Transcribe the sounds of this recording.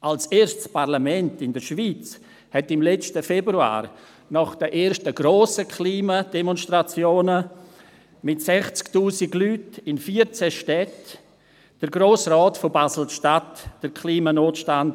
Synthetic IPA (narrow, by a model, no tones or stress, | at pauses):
ʔalseːɾʃtspaɾlamɛntɪndəɾʃviːt͡s | hɛtɪmlɛt͡stəfɛbɾua̰ːɾ | nɔχd̥əʔeːɾʃtəɡɾoːsəkʰliːmad̥ɛmɔnstrat͡sjoːnə | mɪtsɛχt͡sktuːsiɡlyːtɪnfiːəɾt͡sɛʃtɛt | d̥əɾɡɾoːsrɔːtfobazl̩ʃtatd̥əɾkʰliːmanoːtʃtand